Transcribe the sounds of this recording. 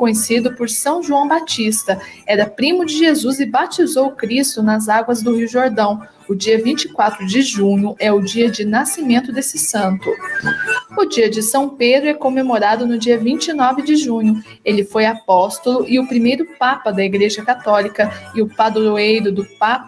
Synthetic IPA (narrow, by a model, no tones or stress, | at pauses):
kõɲesid̪ʊpoɾsɐ̃w̃ʒuɐ̃w̃bat͡ʃist̪ɐɛɾɐpɾimʊd͡ʒɪʒezuzɪbat͡ʃizowʊkɾist̪ʊnɐzaɡwɐzd̪ʊhiʊʒoɾd̪ɐ̃w̃ | ʊd͡ʒiɐvĩnt͡ʃikwat̪ɾʊd͡ʒɪʒũɲʊʔɛʊd͡ʒiɐd͡ʒɪnasimẽnt̪ʊd̪esɪsɐ̃nt̪ʊ | ʊd͡ʒiɐd͡ʒɪsɐ̃w̃ped̪ɾʊɛkõmemoɾad̪ʊnʊd͡ʒiɐvĩnt͡ʃɪnɔvɪd͡ʒɪʒũɲʊ | elɪfojapɔst̪olʊʔɪʊpɾimejɾʊpapɐd̪ɐiɡɾeʒɐkat̪ɔlikɐɪʊpad̪oɾoejɾʊd̪ʊpap